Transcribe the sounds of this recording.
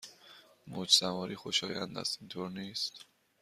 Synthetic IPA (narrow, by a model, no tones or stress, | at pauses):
mut͡ʃʰsamɔɾiχɔʃɔja̰nd̪a̰simt̪ʰɔɾnist̪ʰ